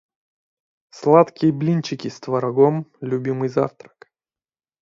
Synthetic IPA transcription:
slˠat̪kʲɪjəblʲinʲt͡ɕɪkʲist̪vɐɾɐɡomlʲʊbʲimɨjza̰ft̪ɾə̥k

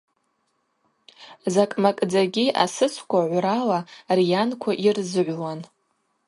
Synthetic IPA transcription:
zakʼmakʼd͡zaɡʲia̰sɨt͡sʷʰkʷʰaʕʷɾalarjankʷʰaʔirzɨʕʷwan

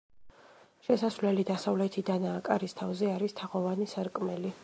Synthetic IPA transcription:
ʃɛsasvlɛlid̪asavlɛt̪ʰid̪anaːkʼaɾist̪ʰavzɛaɾist̪ʰaʁɔvanisaɾkʼmɛli

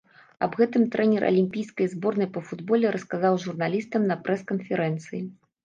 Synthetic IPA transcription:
ɐbɣɛt̪ɨmt̪ɾɛnʲɛrʔɐ̰lʲimʲpʲijskɐjzbɔrnɐjpɐfud̪bɔlʲɛɾɐskazawʐurnalʲist̪ɐmnɐpɾʔɛskɐnfʲɛɾɛnt̪sɨji

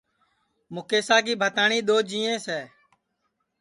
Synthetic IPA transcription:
mʊkeːsaːkiːbʱət̪aːɳiːɗ̪oːd͡ʒĩːẽːsɛː

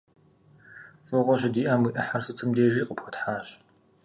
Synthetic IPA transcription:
fɨʁʷɔɕɐdiːʔaːmwiʔɐħarsɨt͡sʰɨmdeːʒiːqʼəpxʷɔtħaːɕ

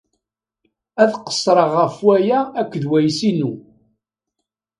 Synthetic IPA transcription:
æðqə̥sˤːɾˤəʁːəfwæjæːkʷːðwæjsinu

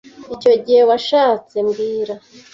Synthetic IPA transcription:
ico̞ɟihe̞waʃaːt͡se̞mɡiːɾa

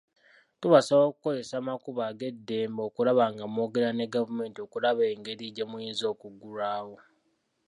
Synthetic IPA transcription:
tuβasaβoːkuko̞ze̞saːmakuβaːɡe̞dːe̞ːmbo̞ːkulaβaːŋɡamo̞ːɡe̞ɾaneɡavume̞ːntio̞kulaβe̞ːŋɡe̞ɾiɟemujiːnzio̞ːkuɡuɾaːwo̞

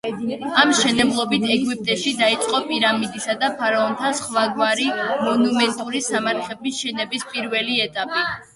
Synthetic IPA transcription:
amʃɛnɛblˠɔbit̪ʰɛɡwip̚ʼt̪ʼɛʃid̪ait̪sʼqʼɔpʼiɾamid̪isad̪apʰaɾaɔnt̪ʰasχwaɡwaɾimɔnumɛnt̪ʼuɾisamaɾχɛbisʃɛnɛbispʼiɾvɛliɛt̪ʼapʼi

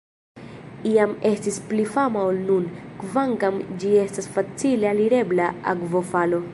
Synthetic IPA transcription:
iame̞stisplifamaolnunkvaŋkamd͡ʒie̞stasfat͡sile̞aliɾe̞blaa̰kvo̞falo̞

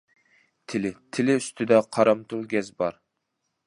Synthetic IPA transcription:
t̪ʰɪlɪt̪ʰɪlɪyst̪ʰɪd̪ɛqʰɑɾɑmt̪ʰulˠɡʲɛzbɑɾ

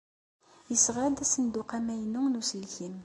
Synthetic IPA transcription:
jəsʁad̪æsənd̪uqæmæjənuŋnusəlçim

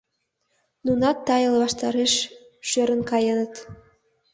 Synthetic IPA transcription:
nunɑt̪ːɑjə̆lβɑʃt̪ɑɾeʃ | ʃøɾə̆nkɑjənət̪

